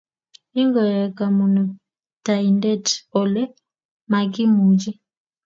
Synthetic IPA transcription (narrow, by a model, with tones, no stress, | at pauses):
i˦ŋɡɔ˨ɾɛ˨ka˨mu˨nu˨ | ta˨i˨ndɛ˦tɔ˨lɛ˦ | ma˨ɡi˦mu˨d͡ʒi˦